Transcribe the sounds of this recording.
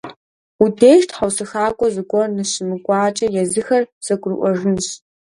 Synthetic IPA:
udeːʃtʰħawsɨxaːkʷʼɔzɨkʷʼɔrnɨɕɪmɨkʷʼaːt͡ʃʼɐjɛzɨxɐrsɐkʷʼrɨʔʷɔʐɨnɕ

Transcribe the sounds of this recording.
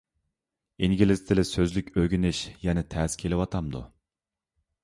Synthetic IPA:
iŋɡʲilɪzt̪ʰɪlɪsøzlykʲøɡʲynɪʃjɛnɛt̪ʰɛːskʲʰelɪwɑt̪ʰɑmd̪ṵ

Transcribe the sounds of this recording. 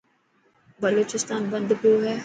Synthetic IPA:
bəloːt͡ʃɪst̪aːnbɐ̃nd̪poɦɛː

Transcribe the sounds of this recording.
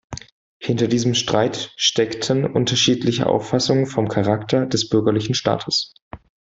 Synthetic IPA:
hɪntɐdiːzəmʃtʁ̥aɪtʃtɛktʰənʔʊntɐʃiːtlɪçə̰ʔa̰ʊfasʊŋənfɔmkʰaʁaktʰɐdɛsb̥ʏɐɡɐlɪçn̩ʃta̰ːtʰəs

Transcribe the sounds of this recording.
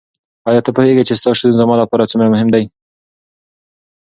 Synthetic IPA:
ɑjɑt̪əpoheɡat͡ʃest̪ɑʃud̪unzamɑlapɑɾat͡sumɾamʊɦɪmd̪aj

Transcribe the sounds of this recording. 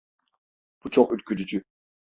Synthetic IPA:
b̥ut͡ʃʰoχylkʰʲyd̪yd͡ʒy

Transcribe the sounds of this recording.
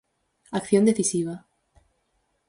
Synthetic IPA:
akθjo̞nd̪eθisiβ̞a

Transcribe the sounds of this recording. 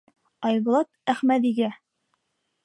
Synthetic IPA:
ɑjbŏlˠɑt̪̚æχmæðiɡæ

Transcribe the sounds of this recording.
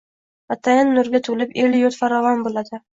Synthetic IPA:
at̪ʰajanːʊɾɡʲat̪ʰʊlɪpeljoɾt̪faɾɒvɒnbolad̪ɪ

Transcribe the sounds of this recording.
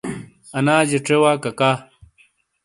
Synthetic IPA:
ɐnaːd͡ʑeʈ͡ʂewaːkɐkaː

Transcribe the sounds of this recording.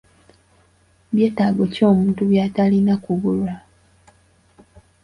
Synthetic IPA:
βje̞ːtaːɡo̞co̞ːmuːntuβjaːtalinakuβulwa

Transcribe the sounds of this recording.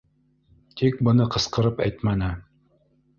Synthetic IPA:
t̪ik̚bɤ̆nɤqɤ̆sqɤ̆ɾɤpæ̰jt̪mænɘ

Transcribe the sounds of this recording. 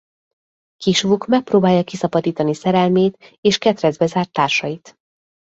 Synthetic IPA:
kiʃvukmɛk̚proːbaːjɒkisɒbɒd̪iːt̪ɒnisɛɾɛlmeːt̪eːʃkɛt̪rɛzbɛzaːrt̪ːaːrʃɒjit̪

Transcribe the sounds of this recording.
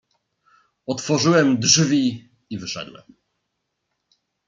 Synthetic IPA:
ɔt̪fɔʐɘwɛmdʐvʲi | ivɘʂɛ̰d̪wɛ̰m

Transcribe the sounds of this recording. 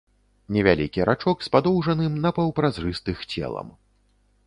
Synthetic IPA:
nʲɛvʲalʲikʲiɾʔat͡ʂɔkspad̪ɔwʐɐnɨmnɐpɐwpɾazrɨst̪ɨxt͡sʲɛ̰lˠɐ̰m

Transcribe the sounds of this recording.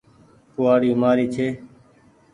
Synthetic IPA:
kʊːaːɽiːmaːɾiːt͡ʃʰeː

